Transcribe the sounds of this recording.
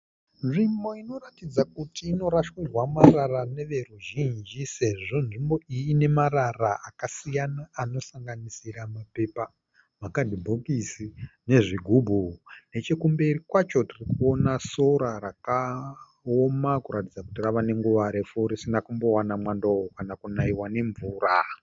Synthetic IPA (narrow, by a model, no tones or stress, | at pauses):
ʐimo̞ino̞ratid͡zakutiːno̞ɾaʃwirwamararane̞ʋe̞ruʒind͡ʒise̞ʐo̞nʐimbo̞ijiːne̞mararaʔakasijanaːno̞saŋɡanisiɾamape̞pa | makadʱibʱokisine̞ʐiɡʱubʱune̞t͡ʃekumbe̞irikwat͡ʃo̞tirikuo̞naso̞ɾaɾaka | omakuɾatid͡zakutiraʋane̞ŋɡuʋaɾefuɾisinakumbo̞wanamwandookanakunaiwane̞ɱvuːɾa